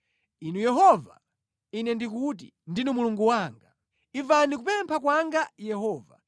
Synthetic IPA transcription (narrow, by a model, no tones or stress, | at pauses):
inujɛɦɔva̰ | inɛndik̬ut̬ḭndinumuluŋɡuwaːŋɡa | ivanik̬upɛmpʰakwaŋɡajɛhɔːva̰